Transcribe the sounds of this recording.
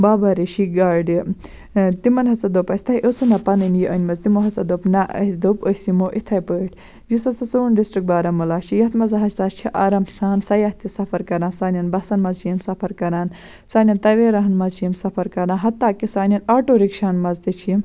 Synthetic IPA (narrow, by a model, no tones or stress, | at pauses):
baːbɐɾiʃiɡaːɖi | t̪imɐnɦɐt͡sɐd̪oːpɐsʲt̪ʰɐjʔosunɐpɐnɐnjiʔɐnʲmɐzt̪imoɦɐt͡sɐd̪oːpnɐʔɐ̰sd̪oːposimoːʔit̪ʰɐjpəːʈʰ | jisɐt͡sɐt͡sunɖisʈɾik̚baːɾɐmulaːʃijɐt̪mɐzɐɦɐsʲt̪aːt͡ʃʰiʔaːɾɐmsaːnsɐjaht̪ʰisɐpʰɐɾkɐɾaːnsaːnʲɐnbɐsɐnmɐzt͡ʃiimsɐpʰɐɾkɐɾaːn | saːnʲɐnt̪ɐʋeːɾɐɦɐnmɐzt͡ʃijimsɐfʰɐɾkɐɾãːnɦɐt̪ːaːkisaːnʲɐnaːʈoːɾikʃaːnmɐzt̪it͡ʃʰim